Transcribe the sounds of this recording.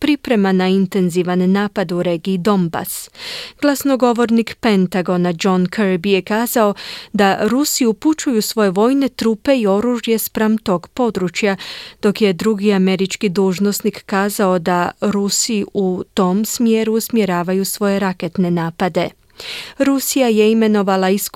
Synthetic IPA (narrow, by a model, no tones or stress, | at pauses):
pɾipɾe̞manaint̪e̞nziʋanːaːpad̪uɾe̞ːɡiːd̪o̞mba̰sɡ̥lˠasno̞ɡo̞ʋo̞ɾnikpe̞nt̪aɡo̞nad͡ʒo̞nkʰeɾbije̞kaːzao̞d̪aɾusiuput͡ʃujusʋo̞je̞ʋo̞ːjne̞t̪ɾuːpe̞io̞ɾuʒje̞spɾamt̪o̞ːɡpo̞d̪ɾut͡ʃjad̪̥o̞kje̞d̪ɾuɡiame̞ɾit͡ʃkid̪uːʒno̞snikːaːzao̞d̪aɾusiut̪o̞msmjeɾuːsmje̞ɾaːʋajusʋo̞je̞ɾaket̪ne̞naːpad̪e̞ | ɾusijaje̞ime̞no̞ʋalais